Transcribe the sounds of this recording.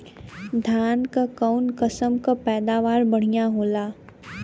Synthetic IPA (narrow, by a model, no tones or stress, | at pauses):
d̪ʱaːnkakaʊnkəsəmkapɛːd̪aːʋaːɾbɐɽ̤ijaɦoːlaː